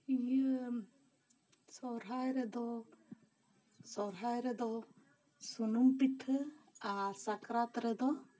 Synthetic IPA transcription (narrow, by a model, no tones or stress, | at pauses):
ijə | sɔɾɦajɾɛd̪ɔ | sɔɾɦajɾɛd̪ɔ | sunumpitʰəasakɾat̪ɾɛd̪ɔ